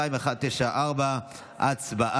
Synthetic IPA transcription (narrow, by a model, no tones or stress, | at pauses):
aimeaχad̪̚t̪eʃaʔaʁba | ʔat͡sbaʔ